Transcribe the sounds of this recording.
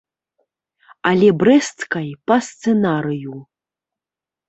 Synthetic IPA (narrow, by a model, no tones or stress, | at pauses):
alʲɛbɾɛst̪kɐjpɐst̪sɛnaɾɨju